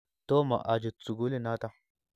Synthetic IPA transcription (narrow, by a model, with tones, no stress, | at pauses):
to˦ma̰˨ʔa˨d͡ʒi˨t͡sːu˨ɡu˦li˦na˦ta˦